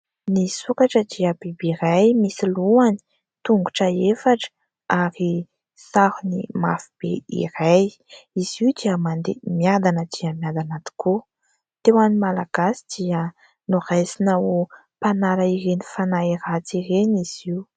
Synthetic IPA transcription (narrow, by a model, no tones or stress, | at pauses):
nisukaʈ͡ʂəd̪iəbebeiɾajmisiluani̥ | t̪uŋɡuʈ͡ʂaefaʈ͡ʂə̥ | aɾi | sahunimafib̥ḛḭraj | iz̥iud̪iəmand̪emjad̪anəd̪̥iəmjad̪anat̪u̥kʰu | t̪ewanimalaɡ̥asi̥d̪̥iə | nurajsinau | panaɾaiɾenifanaiɾat͡siɾeniz̥iu